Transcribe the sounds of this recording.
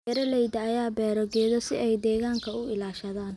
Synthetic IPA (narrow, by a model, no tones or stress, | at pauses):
ɛɾɐlɛjd̪ɐːjaːbɛːɾɔɡɛːðɔsɪʔɛjd̪ɛːɣaːŋkʰɐʊɪlaːʃɐðaːn